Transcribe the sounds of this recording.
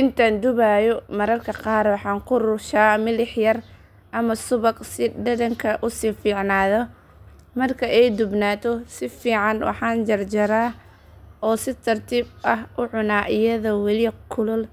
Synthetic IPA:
ʔɪnt̪ʰɐnd̪ʊβajɔmɐɾɐrkʰɐqɑːɾwɑħɑːŋkʰʊrʊʃaːmɪlɪħjɐr | ʔɐmɐsʊβɐqsɪɖɐðɐŋkʰɐʔʊsiːfiːʕnaːðɔ | mɐrkʰɐʔɛjd̪ʊbnaːt̪ʰɔsɪfiːʕɑnwɑ̰ħɑːnd͡ʒɐrd͡ʒɐɾaː | ɔːsɪt̪ʰɐrt̪ʰiːbɐɦʔʊʕʊnaːʔɪjɐðɐwɛlɪkʰʊlʊl

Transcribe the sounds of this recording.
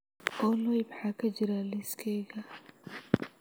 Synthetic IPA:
ʔɔːlojmħaːkʰɐd͡ʒɪɾalɪskʰɛːɣɐ

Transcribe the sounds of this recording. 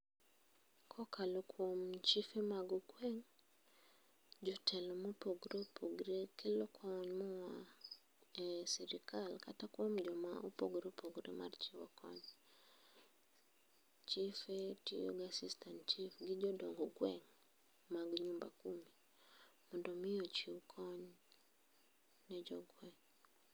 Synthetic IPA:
kʰɔkʰalɔkʰwomt͡ʃifemaɡɔkwɛŋ | d͡ʒɔtʰɛlɔmopoɡɾepʰoɡɾekɪlɔkʰɔɲmɔwa | ɛsɛɾikʰalkatakwomd͡ʒɔma̰ʔopoɡɾepʰoɡɾḛma̰rt͡ʃiwɔ̰kʰɔ̰ɲ | t͡ʃifetijo̰ɡasistʰant͡ʃifɡɪd͡ʒɔdɔŋɡɔɡwɛŋ | maɡɲumba̰kumi | mɔndɔmɪjot͡ʃiwkʰɔɲ | nɛd͡ʒɔɡwɛŋ

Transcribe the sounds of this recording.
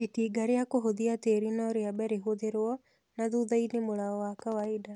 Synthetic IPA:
itiːɡaɾeakoɦoðiateɾinɔɾeabɛɾeɦoðeɾwɔ | naðuðainemoɾaɔwakawaida

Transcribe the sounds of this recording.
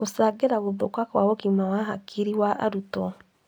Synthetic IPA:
osaɡeɾaɣoðokwakwaɔkimawaɦa̰kʰiɾiwaʔa̰ɾutɔ

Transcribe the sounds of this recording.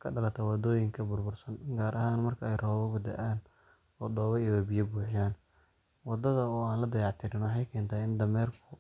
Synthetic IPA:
kʰɐɖɐlɐt̪ʰɐwɑd̪ɔːjɪŋkʰɐbʊrbʊrsɐnɡaːɾɐɦaːnmɐrkʰɐɛjrɔːβɐɣʊd̪ɐ̰ʔaːn | ɔːd̪ɔːβɐiwɔbijɐbuːħɪjaːn | wɑd̪ɐðɐɔːaːnlɐd̪ɐjɑʕt̪ʰɪɾɪnwħɑjkʰɛːnt̪ʰaɪnd̪ɐmɛːrkʰʊ

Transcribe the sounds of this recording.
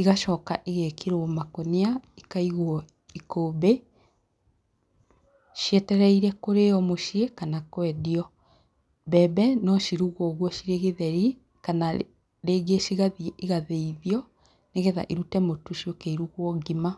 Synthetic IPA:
iɣaʃɔːkaʔiɣekʰeɾoɔmakoneaikaiɣwɔ | ikoːbe | ʃiɛtɛɾɛiɾɛkoɾeɔmoʃiekanakwɛdiɔ | bɛbɛnɔʃiɾuɣɔɣwɔʃiɾeɣeðɛɾi | kana | ɾeːɡeʃiɣaðiiɣaðeiðiɔ | neɣɛða̰ʔiɾutɛmotuʃiokɛiɾuɣwɔɡima

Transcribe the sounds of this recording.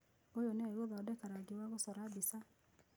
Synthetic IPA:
ojonɛwoðɔdɛkaɾaɡewaɣosɔɾabisa

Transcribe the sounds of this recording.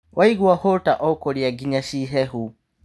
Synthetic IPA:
wʔaiɡuahɔtaʔɔkɔliaɡiɲaʃiɦɛhu

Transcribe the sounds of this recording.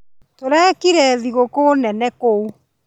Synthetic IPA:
toɾɛːkiɾɛðiɣokoːnɛnɛkou

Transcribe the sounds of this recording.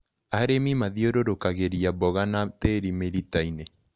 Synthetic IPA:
aɾemimaðioɾoɾokaɣeɾiabɔɣanateɾimeɾitaine

